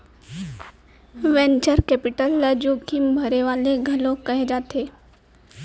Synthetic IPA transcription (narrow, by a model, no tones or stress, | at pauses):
ʋɛ̃nt͡ʃəɾkɛpɪʈəlːəd͡ʒoːkimbʱɐɾeʋaːleɡʱɐlõkɐɦed͡ʒaːt̪eː